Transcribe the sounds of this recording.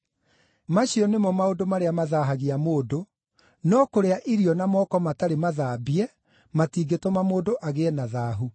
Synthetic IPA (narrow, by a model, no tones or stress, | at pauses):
maɕiɔnemɔmaodomaɾeamaðaɦaɣiamoːdo | nɔkoɾeaʔiɾiɔnamɔkɔmataɾemaðaːbiɛ | matiːɡetomamoːdoʔaɣeɛnaðaːɦu